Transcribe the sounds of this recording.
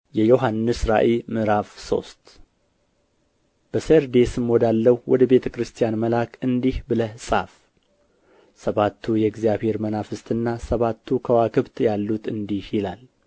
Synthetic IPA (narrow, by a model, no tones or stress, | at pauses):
jɛjo̞ɦanːɨsɾa̰ʔemɨɾafso̞̰st̪ | b̥əseɾd̪e̞sɨmwɔd̪alːəwwɔd̪əbe̞t̪ʰəkɾɨst̪ʰijanməlakʰʼɨnd̪ihbɨləhsʼaf | səβat̪ʰːujɛɡzjaβhe̞ɾmənafɨst̪ʰɨnːasəβat̪ʰːukʰəwakʰɨβt̪jalːut̪ɨnd̪ihjɪlal